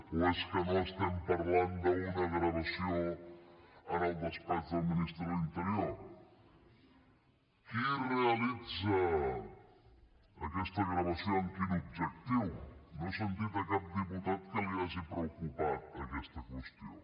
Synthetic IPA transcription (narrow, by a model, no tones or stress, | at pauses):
uɛskənõst̪ampaɾland̪ounɐɣɾaβasjo | ɐɾald̪aspaθɐminist̪ɾint̪əɾioɾ | kirealid͡zɐ | ɐkɛst̪ɐɣɾɐβɐsjoŋkinub̚d͡ʒekt̪iwnosent̪it̪ɐkap̚d̪eput̪at̪kəliasipɾeokupat̪̚pɾɐkɛst̪ɐkwest̪jo̰